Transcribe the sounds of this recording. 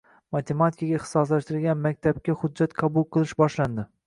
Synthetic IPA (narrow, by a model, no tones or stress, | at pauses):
mat̪ʰe̞mat̪ʰikaɡʲaɪχt̪ɪ̥sɒslaʃt̪ɪɾɪlɡʲanmak̚ʲt̪ʰab̚kʲahʊd̪̚d͡ʒːat̪qʰɑbʊlˠqʰɨlˠɪʃbɒʃland̪ɪ